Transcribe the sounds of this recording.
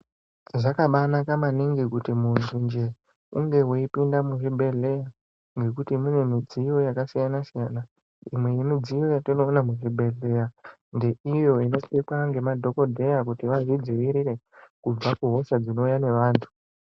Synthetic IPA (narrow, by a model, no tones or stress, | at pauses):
ʐakaɓanakamaniŋɡikutimuntʰund͡ʒe̞ | uŋɡe̞woipindamuʐibʱe̞ɮe̞ja | ŋɡe̞kutimune̞mid͡zijo̞jakasijanasijana | imwe̞jimid͡zijo̞jatino̞ːnamuʐibʱe̞ɮe̞ja | nde̞ijo̞ino̞tekwaŋɡe̞madʱo̞ko̞dʱe̞jakutiʋaʐid͡ziʋiɾiɾe̞kub͡vakuɦo̞ʃad͡zino̞ujane̞ʋaːntʰu̥